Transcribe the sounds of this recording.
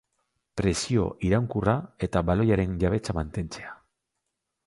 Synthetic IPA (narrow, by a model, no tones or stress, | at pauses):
pɾe̞sio̞̰ʔiɾawŋkurae̞t̪aβalo̞jaɾe̞nʝaβ̞e̞t͡samant̪e̞nt͡se̞a